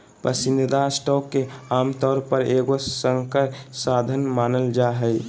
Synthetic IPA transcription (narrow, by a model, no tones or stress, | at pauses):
pɾəsind̪ʱd̪asʈɔkːeaːmt̪ɔːɾpəɾeɡosəŋkəsad̪ʱənmaːnəld͡ʒaɦə